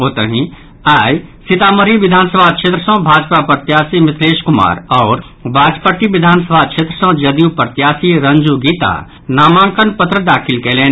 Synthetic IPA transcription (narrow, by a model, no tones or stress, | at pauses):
oːt̪əɦĩ | aːjsɪt̪aːməɾiʋɪd̪ʱaːnsəbʱakʃʰeːt̪ɾəsə̃ɦbʱaːd͡ʒpapəɾt̪jaːsimɪt̪ʰɾeːʃkʊma̰ːɾɔːɾ | bʱaːd͡ʒpəʈiʋɪd̪ʱaːnsəbʱakʃʰeːt̪ɾəsə̃d͡ʒɐd̪iupəɾt̪jaːsiɾɐ̃nd͡ʒuɡiːt̪a̰ː | naːmãːŋkənpət̪ɾəd̪aːkʰɪlkeleːn